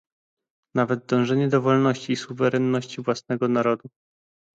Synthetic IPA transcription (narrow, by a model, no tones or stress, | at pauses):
navɛd̪̚d̪ɔ̃w̃ʐɛɲɛd̪ɔvɔlnɔɕt͡ɕiːsuvɛɾɛnːɔɕt͡ɕivwasnɛɡɔnaɾɔd̪u